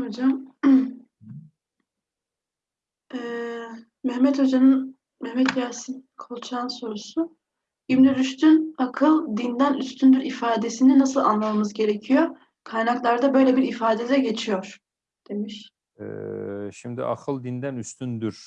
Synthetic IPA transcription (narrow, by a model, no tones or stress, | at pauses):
hod͡ʒam | ɛ | mɛhmɛt̪ho̞d͡ʒanɯn | mɛhmɛt̪ʰjaːsinkʰo̞lˠt͡ʃʰanso̞ɾusu | ibnyɾyst̪ʰynakʰɯlˠd̪ind̪ænyst̪ʰynd̪yɾifaːd̪e̞sininasɯlˠa̰nlˠamamɯzɟe̞ɾecʰijo | kʰajnaklˠaɾd̪abø̞jlʲe̞biɾifaːd̪e̞d̪ɛɟe̞t͡ʃʰijo̞ɾ̥ | d̪̥e̞miʃ | ɛ̰ʃimd̪ḭʔa̰kʰɯlˠd̪ind̪ænyst̪ʰynd̪yɾ̥